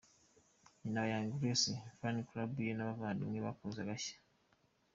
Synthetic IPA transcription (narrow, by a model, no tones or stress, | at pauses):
inawajaŋɡuɾesifanikulabujenaβavaːdḭniβakozaɡaʃḁ